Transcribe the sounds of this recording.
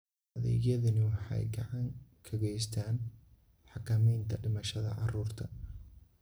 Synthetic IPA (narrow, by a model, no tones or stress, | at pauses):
ɐðɛ̰ːɣjɐðɐnɪwɑħɑ̰jɡɑʕɑŋkʰɐɣɛjst̪ʰaːn | ħɑkʰɐmɛjnt̪ʰɐɖɪmɐʃɐðɐ̰ʕɑruːrt̪ʰɐ